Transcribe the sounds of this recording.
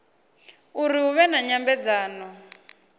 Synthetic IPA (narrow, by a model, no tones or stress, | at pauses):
uɾiuβɛnaɲambɛd͡zaːnɔ